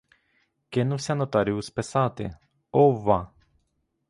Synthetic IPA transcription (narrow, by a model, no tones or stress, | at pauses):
kʲenusʲanot̪aɾiuspesat̪ḛ | ova